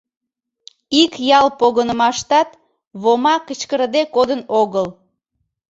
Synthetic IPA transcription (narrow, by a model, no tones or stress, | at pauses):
ikjɑlpoɣənəmɑʃt̪ɑt̪ | βomɑkət͡ɕkəɾd̪ekod̪ənoɣəl